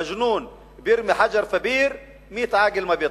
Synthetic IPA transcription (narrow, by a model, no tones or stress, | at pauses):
aʒnuːn | bjɪɾmiħad͡ʒɑɾˤfabiːɾ | miːt̪ʕaːɡɪlmabiːt̪ˤ